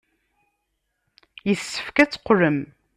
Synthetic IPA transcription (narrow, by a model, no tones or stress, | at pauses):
jəθsːə̥fkæt͡sːqːɾəm